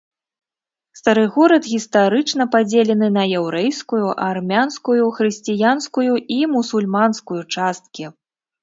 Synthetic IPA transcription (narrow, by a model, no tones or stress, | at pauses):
st̪ɐɾɨɣɔɾɐt̪ɣʲist̪aɾɨt͡ʂnɐpad͡zʲelʲɛnɨnɐjɛwɾɛjskujuʔarmʲanskujuxɾɨsʲt͡sʲijanskujuimusulʲmanskujut͡ʂast̪̚kʲi